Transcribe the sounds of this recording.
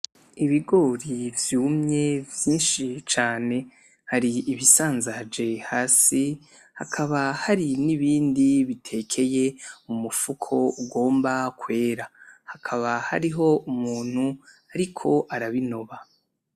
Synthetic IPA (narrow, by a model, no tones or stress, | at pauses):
iβiɡo̞ɾivjuːmɲe̞vjiːnʃit͡ʃaːne̞ | haɾiiβisaːnzad͡ʒe̞haːsi | hakʰaβahaɾiniβiːndiβitʰe̞kʰe̞je̞umufukʰo̞uɡo̞ːmbakwe̞ːɾahakʰaβahaɾiɦo̞umuːn̥hu | aɾikʰo̞ʔaɾaβino̞βa